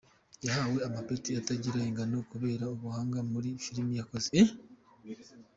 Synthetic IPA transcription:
jahawe̞amapoɾitiataɟiɾaeŋɡanokuβe̞ːɾaoβuhaːŋɡamuɾifiɾimijakoze

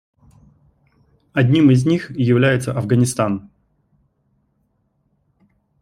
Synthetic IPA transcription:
ɐdʲnʲimɪzʲnʲixjɪvlʲæjɪt̪səʔɐvɡənʲɪst̪an

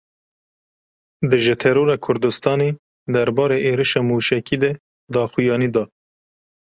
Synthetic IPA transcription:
d̪ɨʒɪt̪ʰɛɾoːɾɑkʰʊɾd̪ɨst̪ɑːneː | d̪æɾbɑːɾeʔeːɾɨʃɑːmuːʃɛkiːd̪ɛ | d̪ɑːxujɑːnid̪ɑː

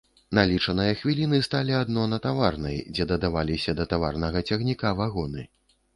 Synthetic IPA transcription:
nalʲit͡ʂɐnɨjɐxvʲilʲinɨst̪alʲiad̪nɔnɐt̪avarnɐjd͡zʲɛd̪ɐd̪avalʲisʲɐd̪ɐt̪avarnɐɣɐt͡sʲɐɣnʲikavaɣɔnɨ

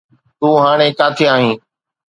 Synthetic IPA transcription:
t̪ũːɦaːɽ̃eːkaːt̪ʰɪaːɦĩː

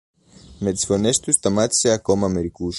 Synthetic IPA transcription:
med̪sfonest̪ust̪amat̪seakomameɾikuʃ

